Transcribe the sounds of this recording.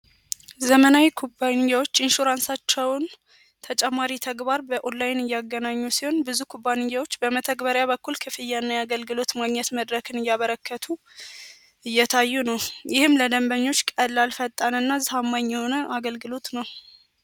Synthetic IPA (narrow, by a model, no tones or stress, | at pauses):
zəmənawikʰubːanɪjːawo̞t͡ʃːɪnʃuɾansat͡ʃːɛwn | t̪ʰət͡ʃʼɛmːaɾit̪ʰəɡbaɾbəʔolːajɪnɨjːaɡːənaɲːusiho̞nbɨzukʰubːanɪjːawo̞t͡ʃːbəmət̪ʰəɡbəɾjaβəkːulkʰɨfɨjːanːajaɡəlɡɨlo̞t̪maɡɲɛt̪məd̪ɾəkʰɨnɨjːaβəɾəkːət̪ʰu | ɨjːɛt̪ʰajːunəwjɪhɨmləd̪əmbəɲːo̞t͡ʃːkʼəd̪lalfət̪ʼːanɨnːazɨhamːaɲːɛho̞nəʔaɡəlɡɨlo̞t̪nəw